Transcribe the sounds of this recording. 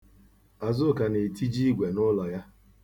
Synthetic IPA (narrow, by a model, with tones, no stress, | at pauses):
a˨zʊ˦˨ka˨ne˨ti˦d͡ʒi˦ɡʷe˨nʊ˦lɔ˨ja˦